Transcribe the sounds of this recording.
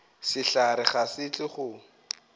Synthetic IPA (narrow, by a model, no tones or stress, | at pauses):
sɪɬaɾɪχasɪt͡ɬʼɪχʊ